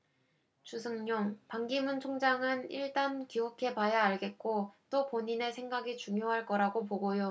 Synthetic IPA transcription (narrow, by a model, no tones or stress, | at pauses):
t͡ɕusʰɯŋɲoŋpaŋɡimunt͡ɕʰoŋd͡ʑaŋɯniɭt͈ankiukʰe̞pajaaɭɡe̞t̚k͈ot͈opoɲine̞sʰe̞ŋɡaɡit͡ɕuŋjoɦaɭk͈ʌɾaɡop̬oɡojo